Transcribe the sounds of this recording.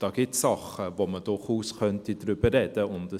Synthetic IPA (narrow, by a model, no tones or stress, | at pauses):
d̥ɑːɡ̥ɪtsɑχəvoməd̥ʊχuːsχœntidɾʏb̥əɾɛdəʊndə